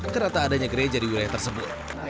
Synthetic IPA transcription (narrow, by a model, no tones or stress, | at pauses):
kənat̪aːdaɲaɡəɾed͡ʒadiwilajaht̪ərsəbʊt̪̚